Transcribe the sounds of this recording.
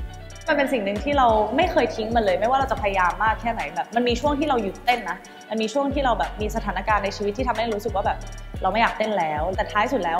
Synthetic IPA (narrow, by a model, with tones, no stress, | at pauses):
ma˧npe˧nsi˨˩ŋnɯ˨˧ŋt̪ʰiː˥˩ɾa˧wma˥˩jxɤː˧jt̪ʰi˦˥ŋma˧˦lɤː˧jma˥˩jwaː˥˩ɾa˧wt͡ɕa˨˩pʰja˧jaː˧mːaː˥˩k̚t̪ʰɛː˥˩na˩˦jbɛː˨˩p̚ma˧nmiː˧t͡ɕʰu˥˩əŋt̪ʰiː˥˩ɾa˧wju˨˩t̪e˥˩nːa˦˥ | ma˧nmiː˧t͡ɕʰu˥˩əŋt̪ʰiː˥˩ɾa˧wbɛː˨˩p̚miː˧sa˧t̪ʰaː˩˦na˦˧˩kaː˧nːa˧jt͡ɕʰi˧wt̪ʰːi˥˩tʰa˧ma˥˩jɾuː˦˥sɯ˨kwaː˥˩bɛː˨˩p̚ɾa˧wma˥˩jaː˨˩k̚t̪e˥˩nlɛː˦˥wt̪ɛː˨˩t̪ʰaː˦tʰa˥˩su˨˩t̪̚lɛː˦˥w